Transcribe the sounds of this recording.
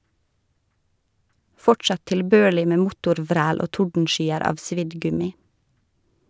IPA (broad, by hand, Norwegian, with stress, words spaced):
ˈfɔʈsɑ tɪlˈbøːɭɪ ˈmeː ˈmʊtʊɾˌʋɾæːl ˈoː ˈtʊɖn̩ˌʃyːəɾ ˈɑːʋ ˈsʋɪd ˈɡʉmɪ